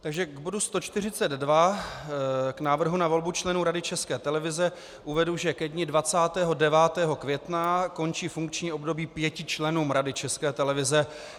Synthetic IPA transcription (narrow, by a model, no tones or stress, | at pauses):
t̪aɡʒɛɡbo̞dust̪o̞t͡ʃt̪ɪrɪt͡sɛd̪dva | knaːvr̩ɦunavo̞lbut͡ʃlɛnuːɾadɪt͡ʃɛskɛːt̪ɛlɛvɪzɛ | ʔuvɛduʒɛkɛdɲɪdvat͡saːt̪ɛːɦo̞dɛvaːt̪ɛːɦo̞kvjɛt̪nako̞nt͡ʃiːfuŋkt͡ʃɲiːʔo̞bdo̞biːpjɛcɪt͡ʃlɛnuːmɾadɪt͡ʃɛskɛːt̪ɛlɛvɪzɛ